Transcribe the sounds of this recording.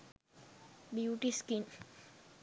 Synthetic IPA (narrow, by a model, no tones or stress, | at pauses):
biuʈiskin